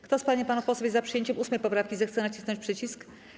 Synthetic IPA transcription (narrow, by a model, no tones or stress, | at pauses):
kt̪ɔspaɲɛpanupɔsɔvjɛzapʂɨjeɲt͡ɕɛmʔusmɛjpɔpɾafkʲizɛxt̪sɛnat͡ɕi̥snɔɲt͡ɕpʂɘt͡ɕisk